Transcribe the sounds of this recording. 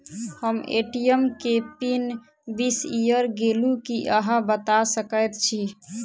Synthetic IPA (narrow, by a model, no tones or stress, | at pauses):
həmḛʈijəmkepin | bisijəɾɡelukiʔəɦãbət̪asəkəjt̪̚t͡ʃʰi